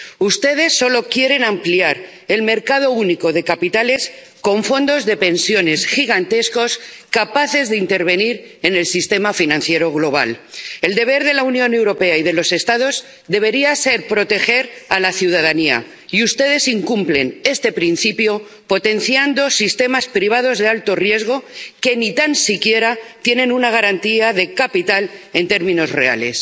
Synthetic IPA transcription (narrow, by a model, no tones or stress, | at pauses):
ust̪e̞ðe̞sːo̞lo̞kje̞ɾe̞nãmpliaɾ | e̞lme̞ɾkað̞o̞uniko̞ðe̞kapit̪ale̞s | ko̞ɱfo̞nd̪o̞zðe̞pe̞nsjo̞ne̞sxiɣ̞ant̪e̞sko̞skapaθe̞zðeint̪e̞ɾβ̞e̞niɾe̞ne̞lsist̪e̞mafinãnθje̞ɾo̞ɣlo̞β̞a̰le̞ld̪e̞β̞e̞ɾðe̞launjõ̞ne̞wɾo̞pe̞aið̞e̞lo̞se̞st̪að̞o̞z | d̪e̞β̞e̞ɾiase̞ɾpɾo̞t̪e̞xe̞ɾalaθjuð̞að̞ania̰ | iust̪e̞ð̞e̞siŋkumple̞ne̞st̪e̞pɾinθipjo̞ | po̞t̪e̞nθjand̪o̞sist̪e̞maspɾiβ̞að̞o̞zðe̞alt̪o̞rje̞zɣ̞o̞ke̞nit̪ansikje̞ɾat̪je̞nẽ̞nunaɣ̞aɾant̪iaðe̞kapit̪ale̞nt̪e̞ɾmĩno̞zre̞a̰le̞̰s